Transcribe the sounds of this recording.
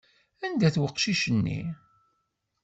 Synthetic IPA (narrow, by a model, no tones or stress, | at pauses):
ænd̪æθwəqːʃiʃənːḭ